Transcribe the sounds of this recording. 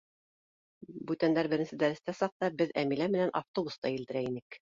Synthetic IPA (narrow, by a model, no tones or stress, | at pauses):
bʉt̪ænd̪æɾbɘ̆ɾɘnsɘd̪æɾɘ̆st̪æsɑq̚t̪ɑbɘðæmilæmɘ̆nænʔɑft̪obust̪ɑilt̪ɘ̆ɾæinɘk